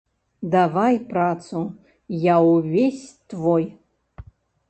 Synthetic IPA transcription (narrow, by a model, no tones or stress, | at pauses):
d̪avajprat͡sʰu | jawvʲesʲt̪voj